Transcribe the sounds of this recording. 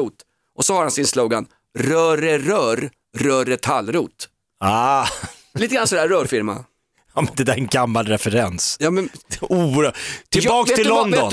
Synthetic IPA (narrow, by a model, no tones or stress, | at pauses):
uːt̪ | ʔɔsɔhaɾhansɪnsloːɡan | ɾœːɾəɾœːɾ | ɾœːɾət̪ʰalːɾuːt̪ | aː | iːt̪əɡɾansɔd̪æːɾːœːɾfɪɾma̰ | ɑːmɛnd̪ɛd̪æɾɛnɡamːalɾɛfɛɾɛnsjɑːmɛnuːɾət̪ʰɪlbɑːkt̪ʰɪlːɔnd̪ɔn